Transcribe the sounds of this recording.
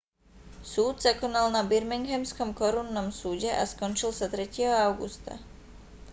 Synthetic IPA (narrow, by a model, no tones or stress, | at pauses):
suːd̪zakɔnalnabiɾmiŋɡɦɛmskɔmkɔɾunːɔmsuːɟɛʔaskɔnt͡ʃilsat̪ɾɛcɪɛɦɔaʊɡṵst̪a̰